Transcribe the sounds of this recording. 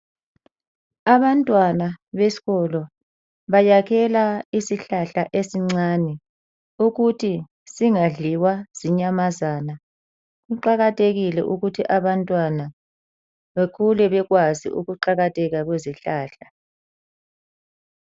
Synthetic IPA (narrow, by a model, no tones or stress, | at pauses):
aβantʼwanaβesi̥ɣɔlɔ | βajaɣʰɛlaisiɬaɬaʔesiŋ͡ǀaːnɛ | uɣutʰi | siŋaɮiwaz̥iɲamazaːna | ɣuǃaɣatʰʼeɣilɛ̰ʔuɣutʰiʔaβantʼwana | βekʰulɛβɛɣwazḭʔṵɣuǃaɣatʰʼɛɣaɣweziɬaːɬa